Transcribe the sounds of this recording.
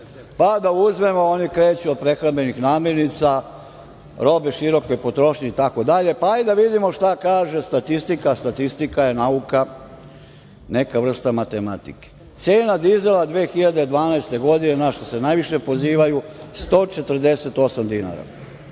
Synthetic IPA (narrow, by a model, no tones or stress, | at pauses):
pad̪auzme̞mo̞onikɾe̞ːt͡ɕuod̪̚pɾe̞xɾambe̞nixnaːmje̞ɾnit̪sa | ɾo̞beʃiɾo̞ko̞jpo̞t̪ɾo̞ʃɲeit̪ako̞d̪aʎe̞paid̪aʋid̪imo̞ʃt̪akaːʒest̪at̪ist̪ikast̪at̪ist̪ikaje̞nauka | ne̞kaʋr̩st̪amat̪e̞mat̪ḭke̥ | t̪se̞ːnad̪ize̞lad̪ʋeːxiʎad̪e̞d̪ʋaːnajst̪e̞ɡo̞d̪ine̞naʃt̪o̞se̞najʋiʃe̞po̞ziːʋajust̪o̞ːt͡ʃe̞t̪ər̩d̪e̞se̞t̪o̞samd̪ina̰ɾa̰